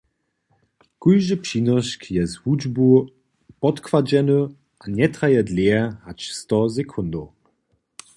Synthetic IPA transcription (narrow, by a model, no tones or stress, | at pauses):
kujʒəpɕinɔʃkʰjɛzhud͡ʒbu | pɔtkvad͡ʒɛnə | ʔanʲɛtʁajɛd̪leɐhat͡ʃstɔzɛkʰʊnd̪o